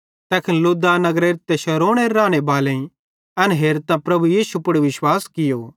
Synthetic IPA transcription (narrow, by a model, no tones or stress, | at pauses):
t̪ɛːkʰɪnlʊd̪anɐɡɾeːɾɪt̪ːɛʃɐɾoːɽ̃eɾːãːɽ̃ebaːlẽĩ | ɐnɦeːɾt̪ãpɾɐbujiːsupʊɽuʋɪʃwaːskɪjo